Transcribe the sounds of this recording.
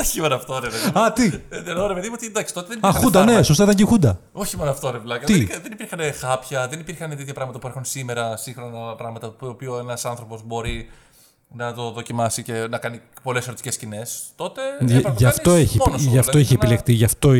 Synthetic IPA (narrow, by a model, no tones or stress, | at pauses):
oçimonɐft̪oɾepeðiɐt̪iðenoɾepeðimot̪id̪ɐksi̥t̪o̞t̪eðenipɐɐɐxud̪ɐnesost̪ɐit̪ɐɲɟexund̪ɐ | o̞çimonɐft̪oɾevlɐkɐiðenipiɾxɐnexɐpçɐðe̞nipiɾxɐnet̪et̪çɐpɾɐɣmɐt̪ɐpueɾxunsime̞ɾɐsiŋxɾo̞nɐpɾɐɣmɐt̪ɐoːpioenɐsɐnθɾo̞po̞zbo̞ɾi | nɐt̪o̞ðo̞cimɐsice̞nɐkɐni | po̞le̞seɾot̪i̥ce̞scine̞st̪o̞t̪e̞ʝɐft̪oeçionʝɐft̪oeçiepilekt̪iʝɐft̪o